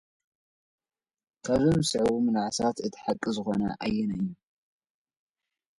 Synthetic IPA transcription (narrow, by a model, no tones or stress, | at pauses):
kʰaβzɨmɨsɨʕwumɨnaʕsat̪ɨt̪ʰħakʼːɨzɨxo̞nɐ̰ʔajːɛnɐjːu